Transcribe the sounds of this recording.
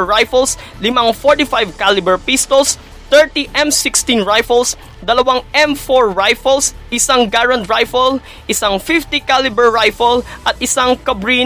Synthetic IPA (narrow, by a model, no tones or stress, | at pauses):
ɹajfɛls | lɪmaŋfoɹt̪ifajvkalɪbɛɹpist̪ɔls | t̪ɛɹt̪iʔɛmsɪkst̪inɹajfɐls | d̪ɐlɐwaŋʔɛmfoɹːajfɐlsʔɪsaŋɡaɹɐnt̪ɹajfɐl | ʔɪsaŋfift̪ikalɪbɛɹɹajfɐlʔɐt̪̚ʔɪsaŋkɐbɹi